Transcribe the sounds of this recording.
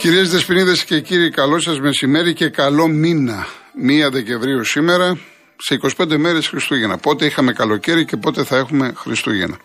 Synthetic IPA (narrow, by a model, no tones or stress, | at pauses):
ciɾiezt̪espiniðesce̞ciɾikɐlo̞sɐzme̞sime̞ɾice̞kɐlo̞minɐmiɐðe̞ceɱvɾiusime̞ɾɐ | se̞iko̞si̥pend̪eme̞ɾe̞sxɾist̪uʝe̞nɐpo̞t̪e̞ixɐme̞kɐlo̞ce̞ɾice̞po̞t̪e̞θɐe̞xume̞xɾist̪uʝḛnɐ